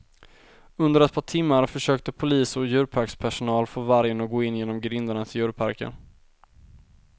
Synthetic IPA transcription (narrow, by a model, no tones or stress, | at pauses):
ɵnd̪əɾɛt̪̚pʰɑːʈʰɪmːaɾfœʂøːk̚t̪əpʰʊliːsɔjʉ̟ːɾpʰaɾkspʰæʂʊnɑːlfoːvaɾjənɔɡoːɪnjeːnɔmɡɾɪnd̪aɳat̪ɪjʉ̟ːɾpʰa̰ɾkə̰n